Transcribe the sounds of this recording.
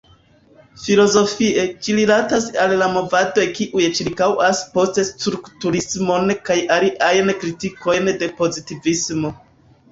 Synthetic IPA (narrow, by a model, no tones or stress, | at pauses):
filo̞zo̞fie̞t͡ʃililatasalːamo̞vado̞jkiʔujt͡ʃiɾkawaspo̞stestɾuktuɾismo̞nkajʔaliʔajnkɾitiko̞jnde̞po̞zitivismo̞